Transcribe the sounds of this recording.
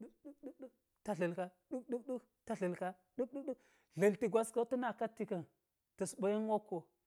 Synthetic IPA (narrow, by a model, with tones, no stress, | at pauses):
u˦ɗu˦ɗu˦ɗu˦ | ta˨ɮə˨lka˦ | ɗu˦kɗu˦kɗu˦k | ta˨ɮə˨lka˦ | ɗu˦k̚ɗu˦ɗu˦ | ɮə˨lti˨ɡʷa˦ska˦ti˦na˨ka˦tːi˦ka˨n | tə˨sɓa˨˦ji˦n˦wa˦kːo˨